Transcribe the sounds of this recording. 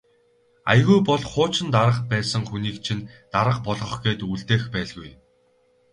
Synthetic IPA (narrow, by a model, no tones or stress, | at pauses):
a̰jɣujpɔɮχʊːt͡ɕɪ̆nt̪aɾə̆qpæːsə̆ŋxuniːkt͡ɕʰint̪aɾə̆q̚pɔɮʁɞ̆χɡeːt̪uɮt̪eːxpæːɮɣuj